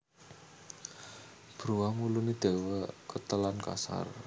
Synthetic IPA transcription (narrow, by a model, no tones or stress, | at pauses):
b̥ɾuwamulunid̪̥e̤wakət̪əlanka̰sa̰r